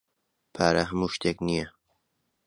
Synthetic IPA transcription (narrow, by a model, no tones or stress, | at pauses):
pʰaːɾɐɦəmuːʃt̪ʰeːknijɐ